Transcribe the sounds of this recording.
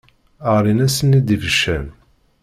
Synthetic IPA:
əʁɾinæsənid̪ivəʃːæn

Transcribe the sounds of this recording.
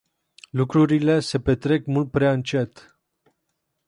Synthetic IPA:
lukɾuɾile̞se̞pe̞t̪ɾe̞kmult̪̚pɾeaɨnt͡ʃe̞t̪

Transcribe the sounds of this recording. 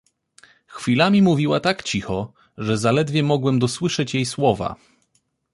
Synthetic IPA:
xfʲilamʲimuvʲiwat̪akt͡ɕixɔ | ʐɛzalɛd̪vʲjɛmɔɡwɛmd̪ɔswɘʂɛt͡ɕjejswɔva̰

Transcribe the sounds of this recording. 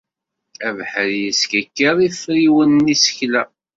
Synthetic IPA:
ævħəɾjəskækːəɾˤifɾiwənːisə̥çlæ

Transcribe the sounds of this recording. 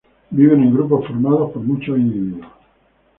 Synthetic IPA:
biβenẽŋɡɾup̬afoɾmaðapoɾmut͡ʃainiβiða

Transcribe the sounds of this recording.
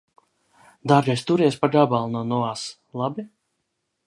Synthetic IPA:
d̪aɾɡɛjst̪uɾiɛspaɡabalˠnɔnɔaːs | lˠabi

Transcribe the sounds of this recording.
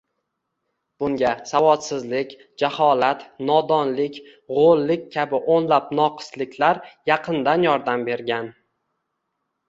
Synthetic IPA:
b̥ʊŋɡʲasavɒt̪sɪzlɪkʲ | d͡ʒahɒlat̪nɒd̪ɒnlɪkʲ | ʁolˠːɪkʲkʲʰabɪʔonlapnɒqʰɨ̥slɪkʲlaɾjɑqʰɨnd̪anjɒɾd̪ambe̞ɾɡʲan

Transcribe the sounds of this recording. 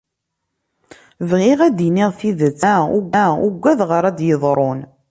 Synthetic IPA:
vʁɪʁæd̪iniʁθiðət͡sːæuɡʷːæuɡʷːæðʁəɾˤæd̪jəðˤɾˤon

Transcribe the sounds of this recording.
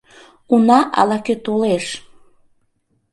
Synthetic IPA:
unɑʔɑ̰lɑkøt̪oleʃ

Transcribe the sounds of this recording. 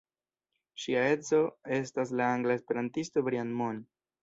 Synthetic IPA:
ʃiae̞zo̞e̞stas̬laaŋɡlaespe̞ɾantisto̞bɾianmon

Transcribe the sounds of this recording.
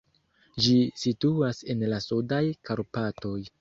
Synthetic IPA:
d͡ʒisituase̞nlasudajkaɾpato̞j

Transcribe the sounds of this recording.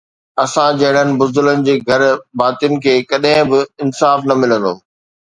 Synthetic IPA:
ɐsãd͡ʑɐɦɪɽ̃ənɪ̆bʊzd̪ʊlənɪ̆d͡ʑeːɡʱɐɾbaːt̪ijənɪ̆kʰeːkɐɗɦɪ̃bɪɪnsaːfnɐmɪlə̃n̆d̪oː

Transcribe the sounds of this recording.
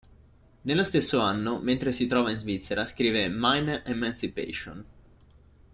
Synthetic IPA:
nelːost̪esːoanːoment̪ɾesit̪ɾɔːvainzvit̪sːeɾaskɾiːvemajnʔemansipɛ̰ʃo̰n

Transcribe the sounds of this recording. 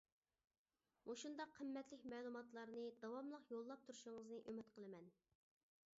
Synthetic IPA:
moʃund̪ɑqʰːəmːɛt̪lɪkʲmɛːlˠumɑt̪lˠɑɾnɨd̪ɑwɑmlˠəqjolˠːɑp̚t̪ʰuɾuʃuŋəznɨʔømɪt̪qʰəlˠɨmɛn

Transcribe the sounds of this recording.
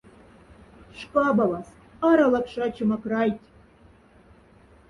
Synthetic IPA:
ʂkɑbɑlɑs | ɑɾɑlˠɑkʂɑt͡ɕɤmɑkrɑjtʲ

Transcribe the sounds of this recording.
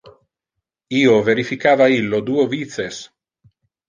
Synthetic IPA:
iːoveɾifikaːvailːod̪uːoviːt̪ses

